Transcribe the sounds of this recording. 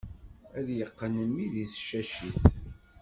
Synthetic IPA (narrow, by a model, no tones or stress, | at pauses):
æðjəqːənəmːiðiθʃæʃiθ